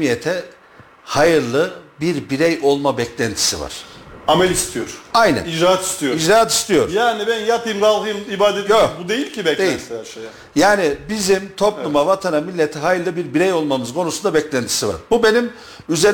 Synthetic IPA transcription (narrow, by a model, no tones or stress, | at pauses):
mijet̪ʰɛ | hajɯɾlˠɯbiɾbiɾɛjo̞lˠmabɛclʲænt̪ʰi̥siva̰ɾ̥amɛlʲist̪ʰijoɾ̥ajnæ̰nid͡ʒɾaat̪i̥st̪ʰijoid͡ʒɾaːat̪i̥st̪ʰijo̞̰ɾjaːnibænjapʰɯjmɡ̪alˠhɯjɯmibaːd̪et̪jokbud̪ejilʲcʰibɛd̪ejilʲsaʃeja | jaːnibizimt̪ʰo̞plˠumavat̪ʰanamilʲːɛt̪ʰɛɦajɯɾlˠɯbiɾbiɾɛjo̞lˠmamɯzkʰo̞nusund̪abɛclʲænt̪ʰi̥siva̰ɾbube̞nim | yze̞ɾ